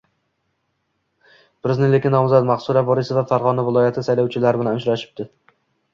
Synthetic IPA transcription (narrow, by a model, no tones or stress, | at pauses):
pɪɾɪznɪlekʲɪnːɒmzat̪maχsʊɾabɒɾɪsɪvafaɾʁɒnavɪlˠɒjat̪ʰɪsajlawt͡ʃʰɪlaɾbɪlanʊt͡ʃɾaʃɪ̥p̚d̪ɪ